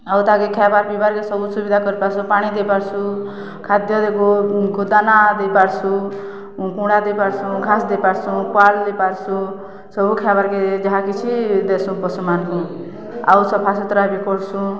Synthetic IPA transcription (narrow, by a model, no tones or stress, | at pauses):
at̪ɦãkekʰabaɾbibaɾkesɔbusubid̪ʱakɔɾipaɾsũpaɽ̃id̪epaɾsʰũ | kʰad̪jɔd̪ekuɡʱud̪anad̪ejpaɾsʰũ | kũɽad̪ejpaɾsũɡʱasd̪epaɾsũkwald̪epaɾsũ | sɔbukʰabaɾked͡ʒɔɦakit͡ʃʰid̪esũpɔsumankũ | a̰wsɔpʰasɔt̪ɾabikɔɾsʰũ